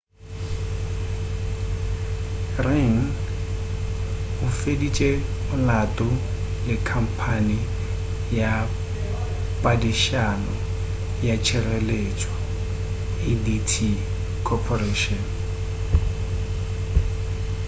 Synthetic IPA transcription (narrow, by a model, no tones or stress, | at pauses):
rɪŋ̩ | ʊfedit͡ʃʼeʊlatʼʊlɪkʰam̩pʰani | ja | pʼadiʃanɔ | jat͡ʃʰɛrɛlet͡ʃʼwa | ɪditʰi | kʰɔpʰɔreʃɔn